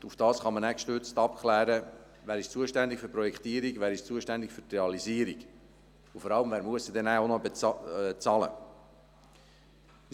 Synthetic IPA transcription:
ufd̥ɑːsχɑmənækʃtʏrt͡st̪ɑpklæːɾə | væːɾɪʃt͡suːəʃtænd̪ɪkfyːɾpɾɔjɛkt̪iəɾiɡʋæːɾɪʃt͡suːəʃtænd̪ɪkfytreɑliziːəɾiɡ | ʊfɔɾɑləmvæːɾmuəsəd̪ɛnæonɔb | t͡sɑlə̰

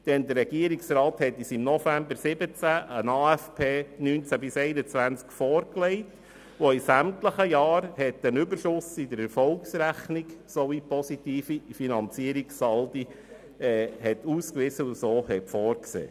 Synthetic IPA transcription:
d̪̥ɛnd̪əɾɛɡiəɾiksɾɑːt̪hɛt̪ːisimnɔfæmbəɾsɪbət͡sæʔənɑːæfpʰeːnyːnt͡sæbɪsɛɪnət͡sʋænt͡skfɔːɾkleɪt | ʋoisæmtləχəjɑːɾhɛt̪ːənʏbəɾʃʊsɪd̪əɾɛɾfɔlksɾæχniksɔʋipɔsitiːfifinɑnt͡siəɾiksɑldi | ɛːhɛt̪uːskʋɪsəusoːhɛtfɔːɾksḛː

